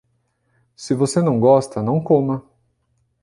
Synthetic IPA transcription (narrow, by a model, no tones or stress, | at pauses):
sɪvosenɐ̃w̃ɡɔst̪ɐnɐ̃w̃kõmɐ